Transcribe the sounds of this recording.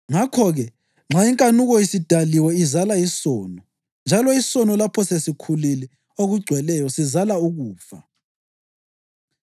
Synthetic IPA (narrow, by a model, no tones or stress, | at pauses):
ŋakʰɔɣɛ | ŋ͡ǁaiŋkʼanuɣɔisid̥ʱaliwɛizalajisɔːnɔ | nd͡ʒʱalɔisɔnɔlapʰɔsesikʰulilɛ | oɣuɡ͡ǀʱwɛlɛjɔsizalauɣuːfa̰